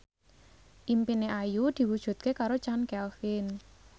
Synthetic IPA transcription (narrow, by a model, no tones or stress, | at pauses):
ʔimpineʔajud̪̥i̤wud̥ʒ̥ṳt̪̚kekaɾot͡ʃankɛlfɪn